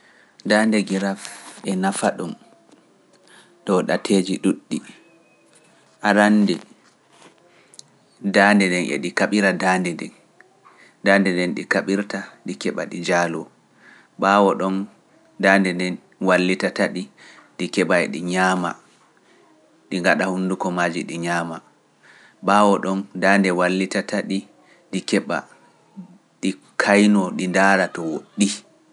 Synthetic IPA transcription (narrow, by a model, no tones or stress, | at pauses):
dandɛɡiɾafɛnafaɗum | ɗɔɗatʰeːd͡ʒiɗuɗːi | ʔaɾandɛ | daːndɛnɛnʔɛ̰ɗikaɓiɾadaːndɛdɛ̰n | daːndɛndɛnɗikaɓiɾtaɗikɛɓa̰ɗid͡ʒaːlɔ | ɓaːwɔɗɔn | daːndɛndɛn | walːitataɗiɗikɛɓajɗḭɲaːma̰ | ɗiŋɡaɗahundukɔmaːd͡ʒiɗiɲaːma | ɓaːwɔɗɔndaːndɛwalːitatʰaɗi | ɗikɛɓa̰ | ɗi | kʰajnɔɗindaːɾatɔwoɗːi